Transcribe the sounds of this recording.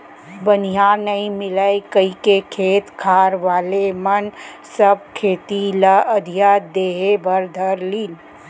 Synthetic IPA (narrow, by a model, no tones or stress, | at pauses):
bənijãnəĩmɪləjkəikekʰeːt̪kʰaːɾʋaːlemən | səb̚kʰeːt̪iləəd̪ʱijad̪eːɦebəɾd̪ʱəɾliːn